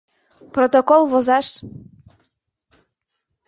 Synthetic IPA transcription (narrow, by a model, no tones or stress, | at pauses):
prot̪okolˠβozɑʃ